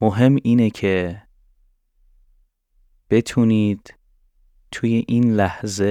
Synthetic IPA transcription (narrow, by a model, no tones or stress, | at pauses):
moɦe̞miːnecʰe | b̥e̞t̪ʰuniːd̪̥ | t̪ʰuje̞ʔiːnlæhze